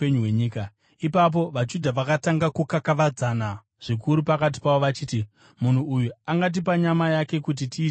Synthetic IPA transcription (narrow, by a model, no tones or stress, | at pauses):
eɲuweɲiːka | ipap̬o̞ʋad͡ʒudʱaʋakataŋɡakukakaʋad͡zana | ʐ̥ikuɾupakat̬i̥pawo̞ʋat͡ʃiːti | mun̤uːjuaŋɡat̬ipaɲamajake̞kut̬itiː